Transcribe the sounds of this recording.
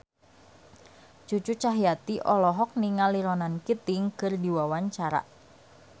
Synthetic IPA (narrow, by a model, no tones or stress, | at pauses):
t͡ʃut͡ʃut͡ʃaɦijat̪iʔɔlɔɦɔk̚niŋaliɾɔnankit̪ɪŋkɨrdiwawaɲt͡ʃaɾa̰ʔ